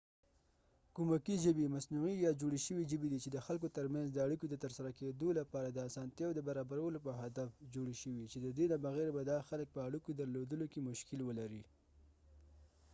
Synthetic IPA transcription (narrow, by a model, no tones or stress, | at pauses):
kumakiʒəbimasnuijɑd͡ʒoɽeʃəwiʒəbid̪it͡ʃed̪əxalk̬ot̪əɾmanzd̪əaɽikod̪ət̪əɾsaɾaked̪olapɑɾad̪əasɑnt̪jɑwod̪əbaɾɑbaɾawəlopəɦad̪afd͡ʒoɽeʃəwit͡ʃed̪əd̪elabaɣeɾabad̪ɑxalək̚pəaɽikod̪aɾlod̪əlokemʊʃkɪlwəlaɾi